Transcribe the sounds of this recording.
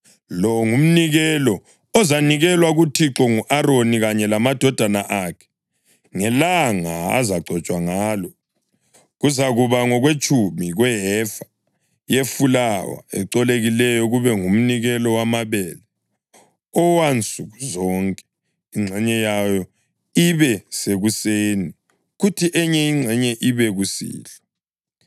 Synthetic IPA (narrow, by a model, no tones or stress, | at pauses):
lɔŋum̩niɣɛlɔ | ɔzaniɣɛlwaɣutʰiǁɔŋuʔaɾoniɣaɲɛlamad̥ʱɔd̥ʱanaʔakʰɛ̥ | ŋɛlaŋaa̰zaɡ͡ǀʱɔt͡ʃʼwaŋaːlɔ | ɣuzaɣuβaŋɔɣwet͡ʃʰʼumiɣwɛɦɛfḁ | jefulawa̰ɛ̰ǃɔleɣilɛjɔɣuβɛŋum̩niɣɛlɔwamaβɛːlɛ | ɔwant͡sʼuɣuzɔŋkʼɛ̥ | iŋ͡ǀʱɛɲɛjajɔ | iβɛseɣuseːni | ɣutʰiʔɛɲɛiŋ͡ǀʱɛɲɛʔiβɛɣusḭːlɔ